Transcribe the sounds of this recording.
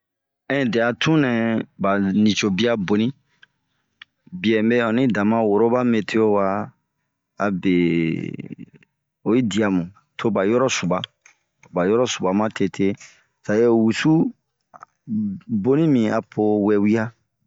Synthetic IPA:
ɛ̃˦˨dɛ˨a˨tʰũ˦nɛ̃˨ba˨nĩ˨t͡ʃo˨bi˦a˦bo˨nĩ˦ | bi˨ɛ˨me˦ɔ̃˨nĩ˦dã˨mã˦wo˨ɾo˦ba˦me˨tʰe˦o˦wa˧ | a˨be˨ | o˨i˦di˨a˨mũ˨ | tʰo˦ba˨jɔ˦ɾɔ˦su˨ba˨ | ba˨jɔ˦ɾɔ˦su˨ba˨mã˦tʰe˧˨tʰe˦ | sa˨je˦wu˨su˦ | bo˦nĩ˦mĩ˨a˨pʰo˧wɛ˨wi˦a˦

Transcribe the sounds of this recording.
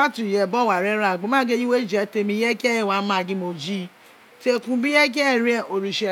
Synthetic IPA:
a˦tũ˨jɛ˨bɔ˦˨wa˨ɾɛ˦ɾa˦˨ɡ͡bõ˨˦mã˦ɡe˦ji˦we˦d͡ʒɛ˨˦te˧mĩ˧jɛ˦ɡɛ˦jɛ˦˨wa˨˦mã˦˨ɡĩ˦mo˧d͡ʒi˦ | te˦kũ˧bĩ˦ɛ˦ɡɛ˦˨ɾi˦ɛ˦˨o˨ɾi˧ʃɛ˧

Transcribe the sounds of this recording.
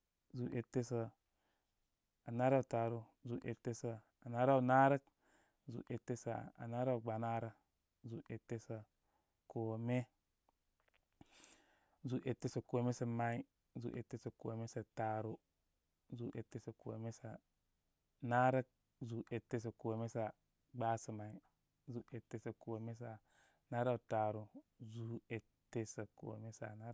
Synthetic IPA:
zu˨ʔe˨tːe˦sə˨ | a˨na˦ɾa˦˨ta˨ɾu˦ | zu˨ʔe˨tːe˦sə˨ | a˨na˦ɾa˦u˨na˦ɾə˦k | zṵ˨ʔe˨tːe˦sa˨a̰˨na˦ɾa˦˨ɡ͡ba˨na˦ɾa˨ | zu˨ʔe˨tːe˦sə˨ | ko˨me˦ | zu˨ʔe˨tːe˦sə˨ko˨˦me˦sə˨ma˦i˦ | zṵ˨ʔḛ˨tːe˦sə˨ko˨me˦sa˨ta˨ɾo˨ | zu˨˦ʔe˨tːe˦sə˨ko̰˨me˦sa̰˨ | na˦ɾə˦k̚ | zu˨ʔe˨tːe˦s̬ə˨ko˨me˦sa˨ | ɡ͡ba˦sə˨ma˨i˨ | zu˨˦ʔe˨tːe˦sə˨ko˨me˦s̬a˨ | na˦ɾa˦˨ta˨ɾu˨ | zu˦e˨ | tːe˦sə˨ko̰˨me˦sa̰˨na˦

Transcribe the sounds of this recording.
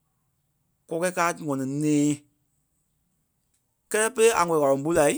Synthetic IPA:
kɔ˧˦kɛ˦kaː˦˨ŋɔ̃˨nĩ˨nɛ̃ː˨˦ | kɛ˦lɛ˦pe˦le˦a˨ŋɔ̃˨ĩ˨a˨lɔ̃˨bu˦la˨i˦

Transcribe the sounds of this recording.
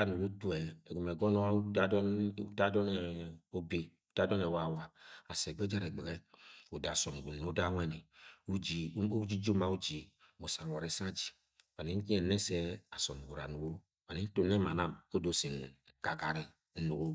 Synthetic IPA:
a˦nu˨ɡo˦tu˦ɛ˨ɡo˨m˨e˨ɡɔ˦n˦da˦dɔ˦n˦da˦dɔ˦nɛ˨o˦be˨u˨˦d̥a˦dɔ˦nɛ˨wa˨wa˦a˨sɛ˨ɡ͡be˦d͡ʒa˦ɾe˨ɡ͡be˨ɡɛ˦u˨da˨sɔ˨m˨ɡu˨n˨o˦da˦ŋʷɛ˦ni˨u˦d͡ʒi˨˦d͡ʒi˦d͡ʒo˦ma˨u˦d͡ʒi˨ | mo˨sa˨ŋ˨a˨ɾe˨sa˦d͡ʒi̥˨ | va˨ni˦n̩˦ki˦ɛ˨nɛ˦sɛ˦a˨sɔ˨m˨ɡu˨ɾa˨nu˨ɡo˦ | va˨ni˦n̩˦to˨n˦ɛ˦ma˨na˦˨mo˦do˨si˨n˨ka˨ɡa˨ɾi˦ | nu˨ɡo˦

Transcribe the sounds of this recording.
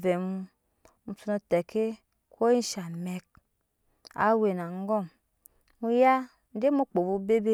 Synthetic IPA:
vɛ˨mu˦ | mu˨tu˧no˧tɛ˨ke˦ | ko˦i˦ʃa˨mɛ˨k̚ | a̰˦we˨na˨ŋ˦ɡɔ˦˨m | mu˦ja˦ | n̩˦de˦mu˦k͡po˨bu˧˦be˦be˦

